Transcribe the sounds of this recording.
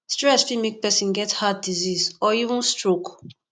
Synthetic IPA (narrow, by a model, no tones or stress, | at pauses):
stɹɛsfimik̚pɛsĩnɡɛthat̚dizisɔivũnstɹok